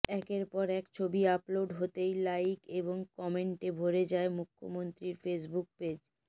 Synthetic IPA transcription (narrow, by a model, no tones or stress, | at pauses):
ɛkeɾpɔɾɛkt͡ɕʰobiaploɖɦot̪ejlajkeboŋkɔmeɳʈebʱoɾed͡ʑaemukʰːomont̪ɾiɾfes̬buk̚ped͡ʑ